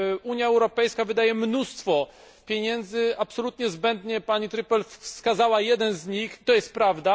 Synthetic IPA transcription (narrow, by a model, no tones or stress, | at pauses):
uɲjaɛwɾɔpɛjskavɘd̪ajɛmnust̪fɔ | pʲjeɲɛnd̪zɘapsɔlut̪ɲɛzbɛnd̪ɲɛpaɲit̪ɾɘpɛlfskazawajɛd̪ɛnzɲixit̪ɔjɛst̪̚pɾavd̪a